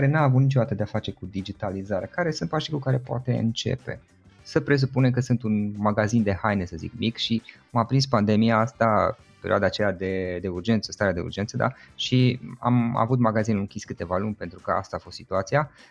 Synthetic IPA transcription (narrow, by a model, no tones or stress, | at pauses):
kaɾe̞naːvut̪nit͡ʃo̞d̪at̪əd̪eafat͡ʃe̞kud̪id͡ʒit̪alizaɾekaɾe̞sɨnt̪paʃikukaɾe̞poa̰t̪e̞̰ɨ̰nt͡ʃe̞̰pe̞̰ | səpɾe̞s̬upunekəsɨnt̪unmaɡazind̪e̞hajnesəzḭkmikʃiamapɾinspand̪e̞mijaast̪a | pe̞ɾḭoad̪aːt͡ʃead̪e̞d̪e̞urd͡ʒe̞nt̪səst̪aɾead̪e̞ṵrd͡ʒe̞nt̪səd̪a̰ʃia̰ma̰vut̪maɡazinɨŋkʲiskɨt̪e̞valunʲpe̞nt̪ɾukəa̰st̪aːfo̞st̪sit̪uat̪sija